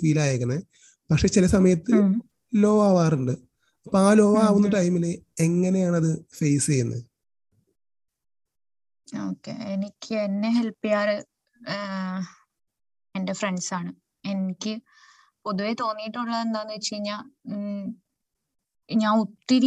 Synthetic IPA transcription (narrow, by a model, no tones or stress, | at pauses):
ʋiːlaːjekːɐnːɐ | pɐkʂe̞ːt͡ɕilɐsɐmɐjɐt̪ːɨ | lo̞ːʋaːʋaːruɳɖɨ | ɐpːoaːlo̞ːʋɐaːʋunːuʈːajumːilːeeŋːɐne̞jaːɳɐðɨfejst͡ɕejunːɐ̰ | o̞ːkːḛenikʲːɨenːe̞ɦe̞lpːijaːɾɨ | ende̞freɳɖsaːɳɨ | e̞nikʲːɨ | po̞ðuʋe̞t̪o̞ːnːijiʈːuɭːɐðe̞nd̪aːnːɨʋit͡ɕːejiɲːaː | ɲaːnut̪ːil